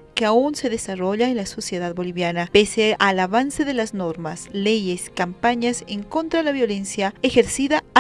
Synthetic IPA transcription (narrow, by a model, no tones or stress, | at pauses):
keaunse̞ðesaro̞ʎaenlaso̞sje̞ðaðbo̞liβjanapeseʔalaβanse̞ðe̞lazno̞ɾmasle̞ʝeskampaɲaseŋko̞nt̪ɾalaβjo̞le̞nsjaexe̞ɾsiða